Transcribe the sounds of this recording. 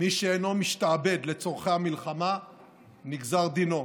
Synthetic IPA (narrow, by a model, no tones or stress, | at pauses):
miʃeeno̞miʃtaːbe̞d̪le̞t͡soʁχehamilχama | niɡzaʁd̪ino̞